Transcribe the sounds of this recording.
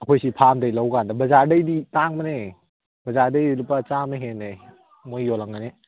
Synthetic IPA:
ɐkʰojsipʰamdajlawɡandɐbɐzaɾdɐjditaŋmɐne | b̥ɐzaɾdɐjilupːɐt͡ʃamaɦenej | mojːɔlaŋane

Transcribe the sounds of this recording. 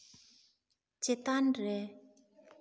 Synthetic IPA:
t͡ɕet̪anreʔ

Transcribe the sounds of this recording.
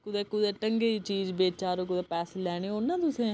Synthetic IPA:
kʊd̪eːkʊd̪ɛːʈəŋɡeːiːt͡ʃiːd͡ʒbeːt͡ʃaːɾoːk̬ʊd̪ɛːpɛːseːlɛːɽ̃eːʊnãːt̪ʊsẽː

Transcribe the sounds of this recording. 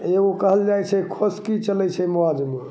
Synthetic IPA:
eɡokəɦəld͡ʒajt͡ʃʰɛkʰoskit͡ʃəlɛt͡ʃʰɛmoad͡ʒmo

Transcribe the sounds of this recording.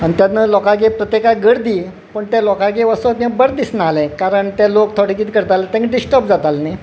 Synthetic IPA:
ənt̪jat̪nəlɔkaɡepɾət̪jekaɡəɽd̪iː | pəɳt̪jalɔkaɡeʋəsat̪ãbəɾd̪isnaalekaɾəɳt̪alokt̪ʰoɽikiːt̪kəɾt̪alat̪ãŋkɖisʈəp̚d͡zat̪alni

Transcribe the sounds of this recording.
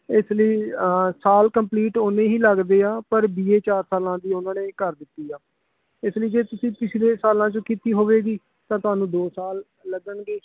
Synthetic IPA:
ɪsləiːsaːlkəmpliːʈoːnẽːɦiːləɡd̪eːaːpəɾbiːeːt͡ʃaːɾsaːlãːd̪iːʊnãːneːkəɾd̪ɪt̪ːiːaː | ɪsləiːd͡ʒeːt̪ʊsĩːpɪt͡ʃʰleːsaːlãːt͡ʃõːkiːt̪iːɦoːʋeːɡiː | t̪ãːt̪ʊaːnũːd̪oːsaːlː | əɡəɳɡeː

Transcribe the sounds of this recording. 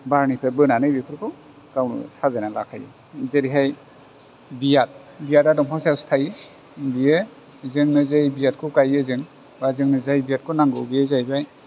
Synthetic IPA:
baɾnipʰabɯnanɯbipʰɯɾkʰɯ | kawnɯ̰sazanala̰kʰajɯ̰ | zeɾiɦaj | bijat̚ | bijatadɔmpʰawsawstʰaj | bijɯ | zɯŋnɯzajbijat̚kʰukajɯzɯŋ | bazɯŋnɯzajbijat̚kʰunaŋɡɯbijezajbaj

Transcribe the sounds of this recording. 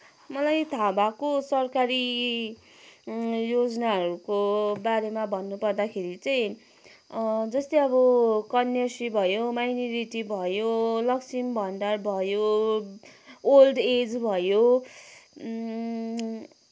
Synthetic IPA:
mʌlajt̪ʰabakosʌrkaɾi | jod͡zʌnaɦʌɾukobaɾemabʱʌnːupʌrd̪akʰeɾit͡sʌj̃ | d͡zʌst̪eʌbʌkʌnjʌsibʱʌjomajnoɾiʈibʱʌjolʌksimbʱʌɳɖarbʱʌjo | olɖed͡zbʱʌjo

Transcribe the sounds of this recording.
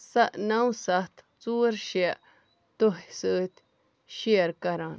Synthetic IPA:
saʔnãwsat̪ | t͡suɾʃjaʔ | t̪oɦsɨt̪ʲ | ʃeɾkaɾãn

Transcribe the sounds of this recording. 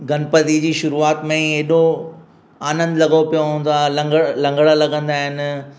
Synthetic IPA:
ɡɐnpɐt̪id͡ʑiːʃʊɾuaːt̪mẽeɗo | aːnə̃nd̪lɐɠopijoɦũːn̆d̪aːɦlɐlɐ̃ŋɡɽəlɐɠə̃nd̪aːɦɪnɪ̆

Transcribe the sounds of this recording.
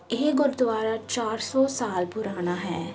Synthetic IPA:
eɦɡʊɾd̪ʊwaːɾat͡ʃaːɾsɔːsaːlpʊɾaːñaɦɛː

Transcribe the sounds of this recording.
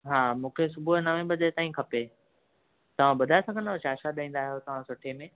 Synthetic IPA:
ɦaːmũːkʰesʊbʱunaʋẽbɐd̪t̪aːĩkʰɐpe | t̪ɐʋ̤ãɓɐd̪ʱaesɐɡʱənd̪t͡ɕaːʃaɗaĩːnd̪aːɦijot̪ɐʋ̤ãsʊʈʰemẽ

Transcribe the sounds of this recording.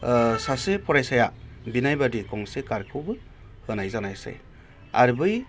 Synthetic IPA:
sasepʰɔɾajsajabinajbadikɔŋsekaɾkʰɯbɯ | hɯnajzanajsa̰j | a̰ɾbɯj

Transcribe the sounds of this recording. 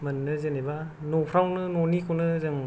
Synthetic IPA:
mɐnːɯzeneba | nɔpʰɾawnɯnɔnikʰonɯzɯŋ

